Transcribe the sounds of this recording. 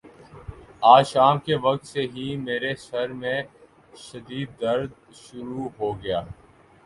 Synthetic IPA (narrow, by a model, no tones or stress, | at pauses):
aːʃaːmkeʋɐk̚t̪seɦimeːɾesɐɾmẽ | ʃɐd̪iːd̪ːəɾd̪̚ | ʃʊɾuɦoːɡɐjaː